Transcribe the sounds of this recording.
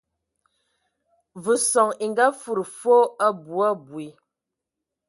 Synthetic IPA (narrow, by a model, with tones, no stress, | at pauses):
vu˨sɔ˨ŋi˨ŋɡa˦fu˦˨ɾfo˦a˦bu˨a˦bwi˨